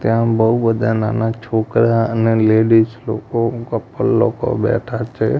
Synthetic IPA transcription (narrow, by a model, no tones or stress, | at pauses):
t̪jãbəubəd̪ana̰ːnat͡ʃʰoːkɾaəneleːɖisloːkokəpːəlːoːko̰bɛ̰ːʈʰat͡ʃʰe